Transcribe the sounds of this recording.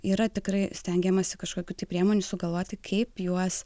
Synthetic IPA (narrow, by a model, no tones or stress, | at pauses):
iːɾɐt̪ʲɪkɾɐɪsʲt̪ʲɛŋʲɡʲɛmɐsʲɪkɐʃkoːkʲuːt̪ɐɪpʲɾʲiɛmoːnʲusʊɡɐlˠʋoːt̪ʲɪkʰɐɪpjuɔs